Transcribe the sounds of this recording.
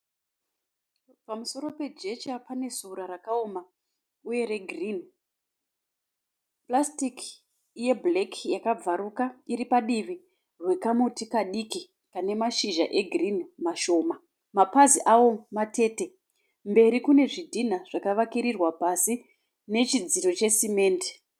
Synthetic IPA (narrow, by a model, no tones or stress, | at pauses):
pamuso̞ɾo̞pe̞d͡ʒe̞t͡ʃapane̞zuɾaɾakao̞ma | uje̞ɾe̞ɡʱrin | plastik | je̞blekʰjakab͡vaɾukaiɾipaɗiʋi | rwe̞kamutikaɗiki | kane̞maʃiʒaʔe̞ɡʱrinmaʃo̞ːma | mapaziʔawo̞mate̞ːte̞ | mbe̞ɾikune̞ʐidʱin̤aʐ̥akaʋakiɾirwapasi | ne̞t͡ʃid͡ziro̞t͡ʃe̞sime̞ːnde̥